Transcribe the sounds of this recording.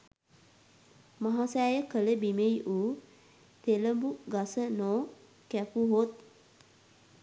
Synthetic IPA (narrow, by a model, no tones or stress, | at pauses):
maɦasæːjəkələbimejʔuː | t̪eləbuɡasənoː | kæpuɦot̪̚